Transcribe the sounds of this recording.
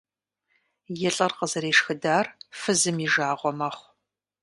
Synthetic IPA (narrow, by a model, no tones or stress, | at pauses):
jɛɬʼɐrqəzɐɾeːʂxɨdaːrfɨzɨmiʒaːʁʷɔmɐχʷ